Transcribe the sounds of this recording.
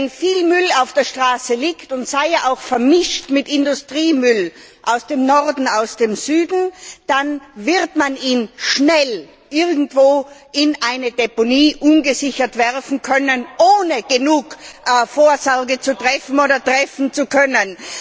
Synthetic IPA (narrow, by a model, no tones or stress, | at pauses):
nfiːlmʏlaʊfd̥eːɐʃtʁ̥aːsəliːktʊntsaɪjaʔaʊxfɛɐmɪʃtmɪtɪndʊstʁ̥iːmʏl | ʔaʊsd̥eːmnɔʁdn̩aʊsd̥eːmzyːdn̩d̥anvɪʁtmaniːnʃnɛl | ʔɪʁɡŋ̩tv̥oːʔɪnʔaɪnəd̥ɛponiːʔʊnɡəzɪçɐtv̥ɛʁfn̩kʰœnənʔoːnəɡ̥ənuːkːfoːɐzɔʁɡət͡sutʁ̥ɛfn̩oːdɐtʁ̥ɛfn̩t͡sukʰœnən